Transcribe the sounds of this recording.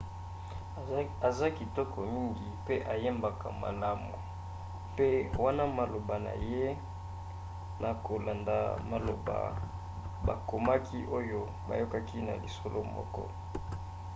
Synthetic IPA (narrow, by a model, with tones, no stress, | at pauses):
a˨za˦ki˨tɔ˦kɔ˨mi˦ŋɡi˨pe˦ʔa˨je˦mba˨ka̰˨ma̰˨la˦mṵ˨ | pe˦wa˦na˦ma˨lo˨ba˨na̰˨je˦ | na˨ko˨la˨nda̰˨ma˨lo˨ba̰˨ | ba˨ko˨ma˦ki˦ʔo˦jo˦ | ba̰˨jo˦ka˦ki˦na̰˨li˨so˦lo˦mɔ̰˦kɔ̰˦